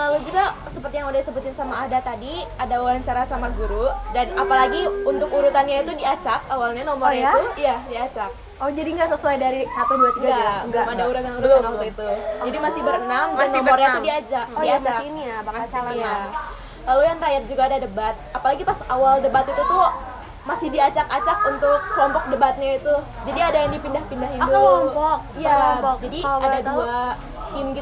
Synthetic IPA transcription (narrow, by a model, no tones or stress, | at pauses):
lalud͡ʒuɡasəpərt̪ijaŋudasəbut̪ɪnsamaːdat̪adiadawaɾaɲt͡ʃaɾasamaɡuɾudanapalaɡiunt̪ʊkuɾut̪anɲait̪udiat͡ʃak̚awalɲanomɔɲaiujadiat͡ʃak | ɔd͡ʒadiŋɡasəsuajdaɾisat̪uduat̪iɡaɡaŋɡamaadauɾut̪anuɾut̪anamit̪ud͡ʒadimasɪhbəɾənamdanomɔrɲat̪udiat͡ʃak̚diat͡ʃaaniabaŋaat͡ʃaia | lalujaŋt̪ɾajat̪̚d͡ʒuɡaːdadəbat̪̚apalaɡipasawaldəbat̪it̪ut̪ʊ | masɪhdiat͡ʃakat͡ʃak̚unt̪ʊk̚ːəlɔmpɔk̚dəbat̪̚ɲait̪u | d͡ʒadiadajaŋdipindahpindahiat̪lɔmpɔk̚ijapɔkd͡ʒadiadadua | ɪmɡit̪